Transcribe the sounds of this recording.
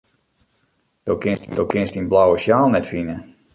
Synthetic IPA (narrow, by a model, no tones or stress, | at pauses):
d̥okɪndowkɪnstinblawəʃjaːlˠnɛtfinə